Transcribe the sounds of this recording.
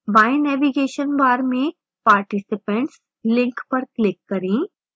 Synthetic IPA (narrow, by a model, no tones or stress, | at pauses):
baːjnɛːʋiɡeːʃənbaːɾmẽ | paːɾʈisɪpə̃ɳʈs | lɪ̃ŋkpɐɾklɪkːɐɾĩː